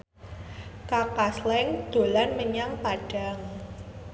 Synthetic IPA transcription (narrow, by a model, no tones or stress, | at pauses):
kakaslɛŋd̪̥o̤lanməɲaŋpaɖ̥a̤ŋ